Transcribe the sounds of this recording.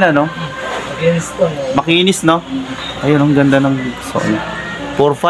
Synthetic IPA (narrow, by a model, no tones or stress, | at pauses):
nɐnoɐismɐkiːnɪsnoʔɐjonɐŋɡɐnd̪anɐŋso̰ʔna | poɾfa